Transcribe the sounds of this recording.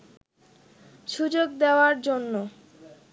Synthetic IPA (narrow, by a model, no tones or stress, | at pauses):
ʃud͡ʑoɡd̪eoaɾd͡ʑonːo